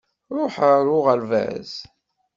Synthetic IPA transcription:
ɾˤʊħəɾʊʁəlvæ̰z

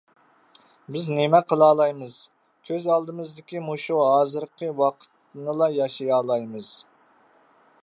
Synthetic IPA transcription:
bɪznemɛqʰəlˠɑːlˠɑjmɨz̥ | kʲʰøzɑlˠd̪ɨmɨzd̪ɪkʲimuʃuɦɑːzɨɾqʰəwɑqʰə̥t̪nɨlˠɑjɑʃijɑːlˠɑjmɨz̥

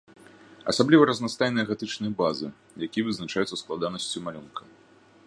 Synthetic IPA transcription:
ɐ̰sablʲivɐɾɐznast̪ajnɨjɐɣat̪ɨt͡ʂnɨjɐbazɨ | jakʲijɛvɨznat͡ʂajut̪sɐsklˠad̪anɐsʲt͡sʲumalʲunkʰɐ

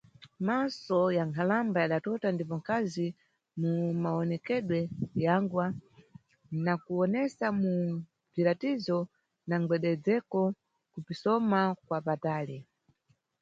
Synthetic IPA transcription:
masɔjaŋkʰalambajaɗatɔtandipɔŋkʰazi | mumaɔnɛkɛɗwɛjaŋɡwa | nakuɔnɛsamu | viɾatizɔ | naŋɡ͡bɛɗɛd͡zɛkɔ | kupisɔmakwapataːlɛ

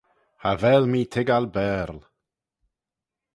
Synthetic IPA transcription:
havɛːlmiːt̪ʰɪɡalbɛːɾl

